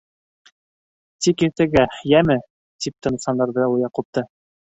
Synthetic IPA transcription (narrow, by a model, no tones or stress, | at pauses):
t̪ikiɾt̪ɘɡæjæmɘ | t̪ip̚t̪ɤ̆nɤsɑnd̪ɑɾðɤujɑqup̚t̪ɤ